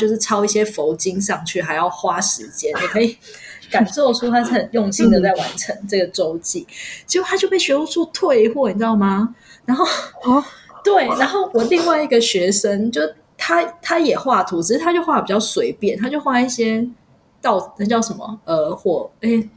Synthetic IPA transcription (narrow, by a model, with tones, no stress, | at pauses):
t͡ɕjo˥˧ʊʂɻ̩˥˩ʈ͡ʂʰɑ˥ʊi˥˩ɕjɛ˥fo˧˥ʊt͡ɕi˥ŋʂɑ˥˨˩ŋt͡ɕʰy˥˩xa˧˥ɪjɑ˥˩ʊxwa˥ʂɻ̩˧˦t͡ɕjɛ˥nni˨˩kʰɤ˧˥i˨˩ka˨˩nt͡swɔ˥˩ʈ͡ʂʰu˥t̪ʰa˥ʂ̩˥˩xə˨˩njʊ˥˧ŋɕi˥ŋd̪ə˨t͡sa˥˩ɪwa˧˦nʈ͡ʂʰə˧˥ŋʈ͡ʂɤ˥˩ɡə˩ʈ͡ʂo˥ʊt͡ɕi˥˩t͡ɕʰi˧˥u˧˥t̪ʰa˥t͡ɕjo˥˧pe˥˩ɪɕɥɛ˧˥u˥t͡sʰu˥˧t̪ʰwe˥˧ɪxwɔ˥˩xə˨˩t͡ɕ̪ɑ˥˩ʊma˧ | na˧˥nxo˥˩ʊ | t̪we˥˩ɪna˧˥nxo˥˩ʊwɔ˨˩li˥˧ŋwa˥˩ɪi˧˥ɡə˨ɕɥɛ˧˥ʂə˥ŋt͡ɕjo˥˧˩ʊ | t̪ʰa˥t̪ʰa˥jɛ˨˩xwa˥˩t̪ʰu˧˥t͡ɕ̩ʰ˧˥ʂɻ̩˥˩t̪ʰa˥t͡ɕjo˥˧ʊxwa˥˩pi˨˩t͡ɕjɑ˥˩ʊswe˧˥ɪpjɛ˥˩nt̪ʰa˥t͡ɕjo˥˧ʊxwa˥˧i˥˩ɕjɛ˥ | t̪ɑ˥˧ʊ˩nə˧˥t͡ɕjɑ˥˩ʊʂə˧˥nmə̰˨ə˧˥xwɔ˥˩e˥˩ɪ